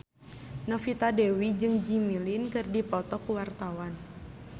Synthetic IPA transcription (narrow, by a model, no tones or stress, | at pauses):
nɔfit̪adɛwid͡ʒɨŋd͡ʒimilinkɨrdipɔt̪ɔkuwart̪awan